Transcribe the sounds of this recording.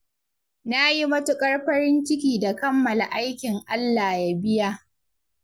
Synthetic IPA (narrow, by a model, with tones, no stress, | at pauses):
na˦ji˦mɐ˦tʊ˦kʼɐ˦ɽɸɐ˦ɾɪ˦nt͡ʃɪ˦kʲiː˨da˨kɐ˦mːɐ˨la̰˨ʔa˦jkʲɪ˨ŋʔa˦lːaː˨ja˦bɪ˦ja˦